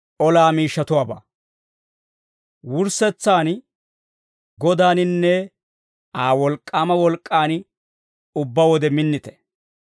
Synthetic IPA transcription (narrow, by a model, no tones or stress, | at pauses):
ʔɔlaːmiːʃːɐt̪ʊwaːba̰ː | wʊɾsɛt͡sːaːn | ɡɔd̪aːnɪnːɛ | aːwɔlkʼːaːmɐwɔlkʼːaːn | ʊbːɐwɔd̪ɛmɪnːɪt̪ɛ̥